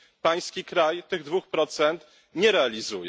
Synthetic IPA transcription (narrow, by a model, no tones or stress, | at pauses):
paj̃skʲikɾajt̪ɘɣd̪vuxpɾɔt̪sɛnt̪ | ɲɛɾɛalʲizujɛ